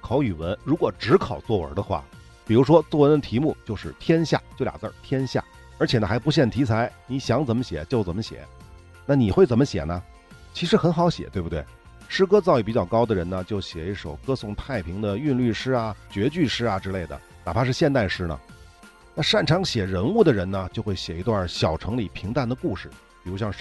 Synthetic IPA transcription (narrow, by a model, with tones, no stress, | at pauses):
kʰɑ˧˥ʊy˨˩wə˧˥nɻu˧˥kwɔ˨˩ʈ͡ʂɻ̩˧˥kʰɑ˨˩ʊt͡swɔ˥˩wə̰˞˧˥d̪ə˧xwa̰˥˩ | pi˨˩ɻu˧˥ʂwɔ˥t͡swɔ˥˩wə˧˥nd̪ə˧t̪ʰi˧˥mu˥˩t͡ɕjo˥˧ʊʂɻ̩˥˩t̪ʰjɛ˥nɕja̰˥˩t͡ɕjo˥˩ʊlja̰˨˩t͡sə̰˞˥˧˩t̪ʰjɛ˥nɕja̰˥˩ | ə˞˧˥t͡ɕʰjɛ˨˩nə˧˩xa˧˥ɪp̬u˧˥ɕ̬jɛ˥˩nt̪ʰi˧˥t͡sʰa˧˥ɪni˧˥ɕjɑ˧˥ŋt͡sə˨˩nmə˦ɕjɛ̰˨˩˦t͡ɕjo˥˩ʊt͡sə˨˩mə˦ɕjɛ̰˨˩˦ | na˥˩ni˨˩xwe˥˩ɪt͡sə˨˩nmə˦ɕjɛ̰˨˩nə˦ | t͡ɕʰi˧˥ʂɻ̩˧˥xə˧˥nxɑ˧˥ʊɕjɛ̰˨˩t̪we˥˩bt̪we˥˩ɪ | ʂɻ̩˥kɤ˥t͡sɑ˥˧ʊi˥˩pi˨˩˥t͡ɕjɑ˥˩ʊkɑ˥ʊd̪ə˨ɻə˧˥nə˧t͡ɕjo˥˩ʊɕjɛ˨˩i˥˩ʂo˨˩ʊkɤ˥sʊ˥˧ŋt̪ʰa˥˩ɪpʰi˧˥ŋd̪ə˧y˥˧nly˥˩ʂɻ̩˥a˨t͡ɕɥɛ˧˥t͡ɕy˥˩ʂɻ̩˥ɐ˨ʈ͡ʂɻ̩˥le˥˩ɪd̪ə̰˩ | na̰˨˩pʰa˥ʂɻ̩˥˧ɕjɛ˥˧nt̪a˥˩ɪʂɻ̩˥nə̰˨ | na˥˧ʂa˥˩nʈ͡ʂʰɑ˧˥ŋɕjɛ˨˩ɻə˧˥nu˥˩d̪ə˩ɻə˧˥nnə˧t͡ɕjo˥˧ʊxwe˥˩ɪɕjɛ˨˩i˧˥t̪wa˥˩ɕjɑ˨˩ʊʈ͡ʂʰɤ˧˥ŋli˨˩pʰi˧˥ŋt̪a˥˩nd̪ə˩ku˥˧ʂɻ̩˥˩ | pi˨˩ɻu˧˥ɕjɑ˥˧ŋ